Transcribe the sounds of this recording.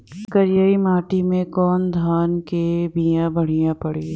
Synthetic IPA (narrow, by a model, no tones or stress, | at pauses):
kɐɾɪjaːimaːʈimẽkɔːnd̪ʱaːnkebijãbɐɽ̤ijãpɐɽeː